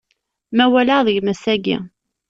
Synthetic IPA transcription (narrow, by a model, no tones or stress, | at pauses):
mæwælaðəʝmæsæɡḭ